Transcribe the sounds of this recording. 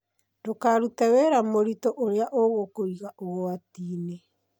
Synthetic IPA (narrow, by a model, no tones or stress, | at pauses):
dokaɾutɛweɾamoɾitɔʔoɾeaʔoɣokoɾiɣaʔoɣoatiːne